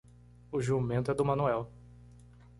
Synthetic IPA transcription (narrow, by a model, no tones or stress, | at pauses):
ʊʒumẽnt̪ʊɛd̪ʊmɐ̃nuɛw